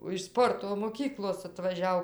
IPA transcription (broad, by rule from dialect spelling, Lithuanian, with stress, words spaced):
oː ɪʃ ˈspoːrtoː moːˈkʲiːklˠoːs ɐtʋɐˈʒʲɛʊ